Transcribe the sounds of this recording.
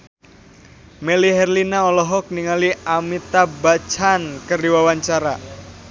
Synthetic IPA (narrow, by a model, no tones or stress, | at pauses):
meliɦɛrlinaɔlɔɦɔk̚niŋaliamit̪abat͡ʃankərdiwawaɲt͡ʃaɾa